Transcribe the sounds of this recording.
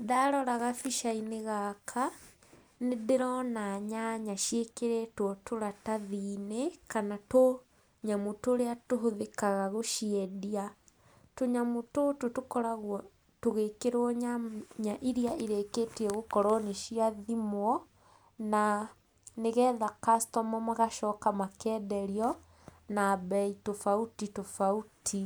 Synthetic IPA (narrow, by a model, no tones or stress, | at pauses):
ðaɾɔɾaɣafiʃaineɣakʰa | neðeɾɔnaɲaɲaʃjekeɾetwɔtoɾataðiːnekanato | ɲamutoːɾeatoɦoðekaɣaɣoʃiɛdia | toɲamotototokɔɾaɣwɔ | toɣekeɾɔɲaɲaʔiɾiaʔiɾekeːtiɛɣokɔɾɔneʃiaðimwɔ | na | neɣɛːðakastɔmɔmaɣaʃɔːkamakɛːdɛɾiɔ | nabɛitofautitofautʰi